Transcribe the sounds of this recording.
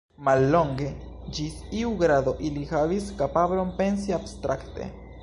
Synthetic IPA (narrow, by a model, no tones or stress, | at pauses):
malːo̞ŋɡe̞ | d͡ʒisiuɡɾado̞ʔilihaviskapablo̞npe̞nsiabstɾakte̞̰